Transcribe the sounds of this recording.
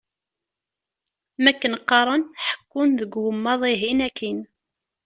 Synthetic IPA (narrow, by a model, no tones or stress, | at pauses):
mækːənqːɑɾˤənħə̥kːunðəɡwəmːɑðˤiɦinækːin